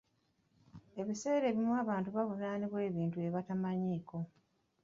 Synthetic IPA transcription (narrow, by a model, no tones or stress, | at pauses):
e̞βise̞ːɾe̞ːβimuaːβaːntuβavunaːniβwe̞ːβiːntue̞βatamaɲiːko̞